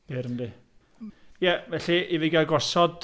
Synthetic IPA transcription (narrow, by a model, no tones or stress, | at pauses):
b̥ɪɾəndi | jɛvɛɬiiviɡaɡɔsɔd̥